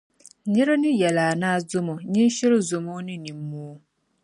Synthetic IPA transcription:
ɲɪ˦ɾe˦nɪ̃˦jɛ˨laː˨nã˦˨zʊ˦mɔ̃˨ɲĩ˦ɕɪ˦ɾo˦zʊ˨mõ˦nɪ̃˦nĩ˨m˦mũ˦

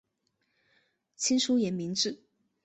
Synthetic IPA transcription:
t͡ɕʰi˥nʂu˥jɛ˧˥nmi˧˥ŋʈ͡ʂɻ̩˥˩

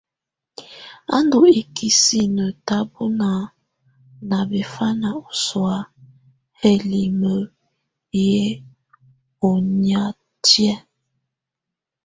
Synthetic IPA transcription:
a̰˦ndu˨e˨kʰi˨si˦nə˨ta˦bo˦na˨ | na˨be˨fa˦na˨o˨swa˦ | he˦li˨mə˨ | je˦ | o˨ɲa˦ | tjɛ˦

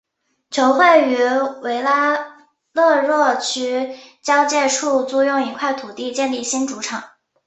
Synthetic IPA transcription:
t͡ɕʰjo˧˥ʊxwe˥˩ɪy˧˥we˧˥ɪla˥ | lɤ˥˧ɻwɔ˥˩t͡ɕʰy˥t͡ɕjɑ˥ʊt͡ɕjɛ˥˧ʈ͡ʂʰu˥˧t͡su˥˧jʊ˥˩ŋi˧˥kʰwa˥˩ɪt̪ʰu˨˩t̪i˥˧t͡ɕjɛ˥˧nli˥˩ɕi˥nʈ͡ʂu˧˥ʈ͡ʂʰɑ˨˩˦ŋ

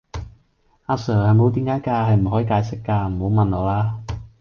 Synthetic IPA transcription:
aː˧sœː˨˩hɐ˨˧jmo˨˥wt̪̬iː˨˥mkaː˨˥jkaː˧hɐ˨jm̩˨˩hɦɔː˨˥ji˧kaː˧jsɪ˨˥kːaː˧m̩˨˩ho˨˥wmɐ˨nlɔː˨laː˥

